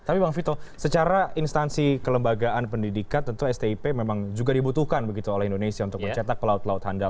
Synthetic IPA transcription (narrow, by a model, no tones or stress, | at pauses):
t̪apibaŋfit̪osət͡ʃaɾaʔinst̪ansikələmbaɡaʔanpəndidikant̪ənt̪uɛst̪eipememaŋd͡ʒuɡadibut̪uhkanbəɡit̪uolɛhindonesiaunt̪ʊkbət͡ʃat̪ak̚pəlaʊt̪laʊt̪handa